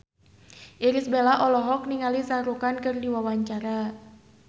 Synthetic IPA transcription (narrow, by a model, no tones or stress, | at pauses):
ʔiɾisbelaʔɔlɔɦɔk̚niŋalisaɾukankɨrdiwawaɲt͡ʃaɾa